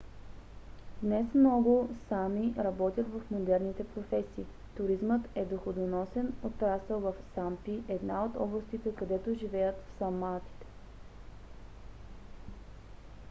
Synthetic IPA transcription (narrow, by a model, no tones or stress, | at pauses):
d̪nɛsmnɔɡʊsamiɾɐbɔt̪ʲjət̪vɐfmod̪ɛɾnit̪ɛpɾofɛsiː | t̪ʊɾizmət̪ɛd̪oxod̪onɔsɛnot̪ɾasəlˠvɐfsampiʔɛd̪naot̪ɔ̰blˠɐst̪it̪ɛkɐd̪ɛt̪oʒivɛjət̪fsɐmːat̪i̥t̪ɛ̥